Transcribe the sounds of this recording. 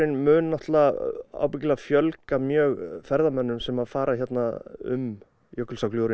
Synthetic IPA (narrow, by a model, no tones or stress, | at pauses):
ɪnmʏːnnɔht̪laa̰ːwpɪcɪlafjœlkamjœːɣfɛɾðamɛnːʏmsɛmaðfaːɾaçjɛt̪naʏ̰m | jœkːʏlsakljowɾɪ